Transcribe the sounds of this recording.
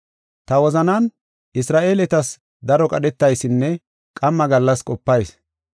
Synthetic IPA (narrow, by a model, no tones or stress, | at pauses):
t̪ɐwɔzɐnɐn | ʔɪsɾaːʔeːlɛt̪ɐs | d̪ɐɾɔkʼɐɗɛt̪ːɐjsɪnːɛ | kʼɐmːɐɡɐlːɐskʼɔpːɐjs